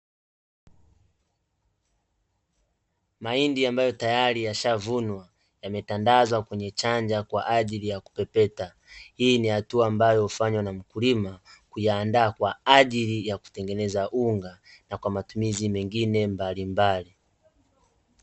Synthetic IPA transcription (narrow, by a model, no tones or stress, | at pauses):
maindiambajɔtajaɾijaʃavunwa | jamɛtandazwakwɛɲɛt͡ʃaɲd͡ʒakwa̰ʔaʄilijaku̥pɛpɛta | hiːnihatuaːmbajɔufaɲwanam̩kulimakujaːndaːkwaaʄilijaku̥tɛŋɡɛnɛzaʔuŋɡanakwamatumizimɛŋɡinɛmbalimbali